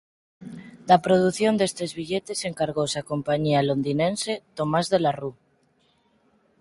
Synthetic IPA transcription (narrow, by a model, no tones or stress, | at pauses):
d̪apɾoð̞uθjo̞nd̪e̞st̪e̞zβiʎet̪e̞seŋkaɾɣ̞owsako̞mpaɲialo̞nd̪inẽnse̞t̪o̞mazðelaru